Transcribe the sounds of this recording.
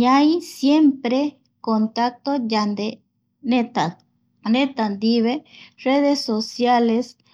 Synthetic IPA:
ɲajsjempɾe | kont̪ak̚t̪od͡ʒand̪e | net̪a | net̪and̪iβereðesosjales

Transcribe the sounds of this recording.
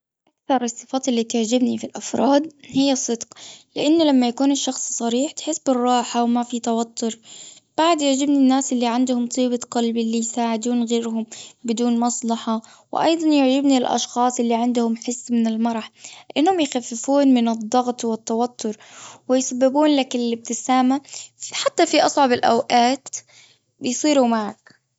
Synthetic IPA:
ʔʔakθɑɾˤsˤːɨfɑːt̪ɪlːiːt̪ʊʕd͡ʒɪbnifilʔɑfɾˤɑːd̪̚hɪjːɑsˤːɨd̪qlɪʔanːʊlamːajakuːnɪʃːɑxsˤsˤɑɾiːħt̪ħɪsːbɪrˤːɑːħawmafit̪awat̪ʰːʊɾb̥aʕd̪jɪʕd͡ʒɪbninːaːsʔɪlːiʕɪnd̪ʊhʊmt̪ˤiːbɑqɑlblːijsaːʕɪd̪uːnɣeːɾhʊmbɪd̪uːnmɑsˤlɑħɑ | wʔɑ̰jd̪ˤɑnjʊʕd͡ʒɪbnilʔɑ̰ʃxɑːsˤʔɪlːiʕɪnd̪ʊhʊmħɪsːmɪnɪlmɑɾˤɑħlɪʔanːhʊmjxafːɪfuːnmɪnɨd̪ˤːɑɣt̪ˤwɪt̪ːawat̪ʰːʊɾwɪjsabːɪbuːnlakɪlɪb̚t̪ɪsaːmaħat̪ːafiʔɑsˤʕɑbɪlʔawʔaːt̪ | jsˤiːɾumaʕak

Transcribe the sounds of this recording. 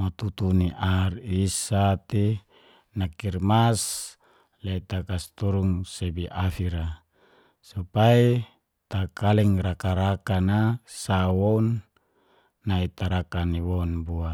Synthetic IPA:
mot̪ut̪uniʔarisat̪i | nakirmas | leit̪akast̪uɾuŋsebiʔafiɾa | supai | t̪akalɛŋrakaɾakanasawɔn | ait̪aɾakaniwɔnbua

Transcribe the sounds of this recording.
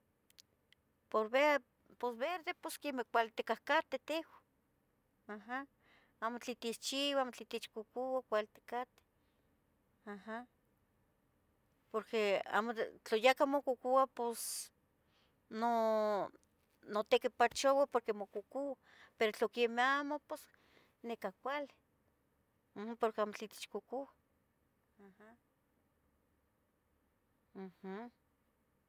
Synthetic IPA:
poɾβe | posβeɾd̪eposkemekʷalt̪ekahkat̪et̪ehwʷḁ | aɦa | aːmot͡ɬit̪it͡ʃiwamot͡ɬit̪it͡ʃkukuwakʷalt̪e̥kat̪e̥ | aha | poɾkea̰mot͡ɬojakamokukuapos | no | not̪ekipat͡ʃowapoɾkemokukuwa | peɾot͡ɬokemeamopos | nekakʷali | hpoɾkeamot͡ɬit̪e̥t͡ʃkokuwa | aha | h̩

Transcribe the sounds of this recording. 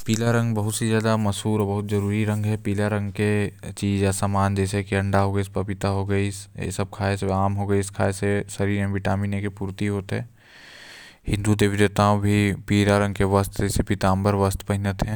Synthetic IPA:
piːlaɾɐ̃ŋɡbɐɦʊt̪sezjaːd̪amɐsɦuːɾɔbɐɦʊt̪zɐɾuːɾiɾɐ̃ŋɡɦɛpiːlaɾɐ̃ŋɡket͡ʃiːd͡ʒasamaːnd͡ʒɛːsekiɐ̃ɳɖaɦoɡəiːspɐpɪt̪aɦoɡəisḛsɐb̚kʰaːeseaːmɦoɡəiɪskʰaːesesɐɾiːɾɛ̃ʋɪʈaːminekepuːɾt̪iɦoːt̪ɦɛ̃ː | hɪ̃nd̪ut̪̬ebʱid͡ʒet̪aːõbʱipiːɾaɾɐ̃ŋɡkeʋɐst̪ɛːsepɪt̪aːmbəɾʋəst̪pɐɦɪnət̪ɦɛ̃ː

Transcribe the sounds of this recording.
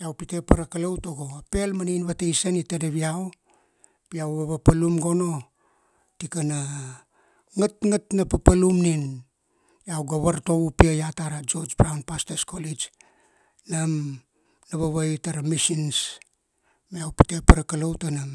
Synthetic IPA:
jawpite̞paɾakalowtoɡo̞ape̞lmaniinβatejsanitedeβiaw | piawβaβapalumɡo̞no̞ | tikana | ŋatŋatnapapalumnin | jawɡaβaɾto̞βupiajataɾad͡ʒo̞d͡ʒbɾawnpasteskolid͡ʒ | nam | naβaβajtaɾamisins | meawpi̥te̞paɾakalowtanam

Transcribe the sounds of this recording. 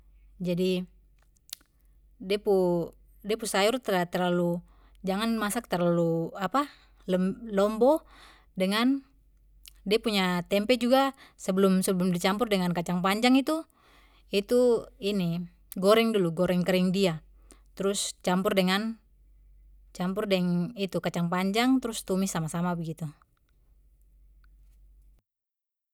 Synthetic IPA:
d͡ʒadi | dɛpu | diɛpusajɔrt̪t̪ɛrlalu | d͡ʒaŋanmasak̚t̪ɛrlaluapa | lɛmlɔmbɔ | dɛŋan | diapuɲat̪ɛmpɛd͡ʒuɡasɛbəlumsɛbəlumdit͡ʃampurdɛŋankat͡ʃaŋpaɲd͡ʒaŋit̪u | it̪uini | ɡɔɾɛŋduluɡɔɾɛŋkɛɾɛŋdia | t̪ɾust͡ʃampurdɛŋan | t͡ʃampurdɛŋit̪ukat͡ʃaŋpaɲd͡ʒaŋt̪ɾust̪umisːamasamabəɡit̪u

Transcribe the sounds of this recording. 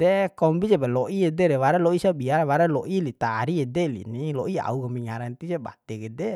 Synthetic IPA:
d̪ɛkɔmbid͡ʒɛbɛlɔʔiɛdɛɾɛwaɾalɔisabiaɾwaɾalɔʔilit̪aːɾiɛdɛlḭnilɔʔia̰ukɔmbiŋaɾant̪id͡ʒɛba̰t̪ɛɡɛdɛ

